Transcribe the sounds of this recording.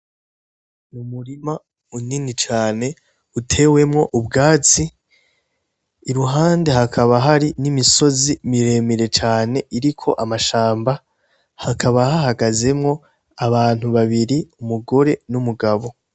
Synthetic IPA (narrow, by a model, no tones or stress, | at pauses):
numuɾima | uninit͡ʃaːne̞ | utʰe̞ːwe̞mŋo̞ʔubɡaːt͡si | ɾuɦaːnde̞ɦakʰaβaɦaɾinimiso̞zimiɾe̞ːmiɾe̞t͡ʃaːne̞ʔiɾikʰo̞ʔamaʃaːmba | hakʰaβahaɦaɡaze̞mŋo̞ | aβaːn̥huβaβiɾiumuɡo̞ɾe̞numuɡaβo̞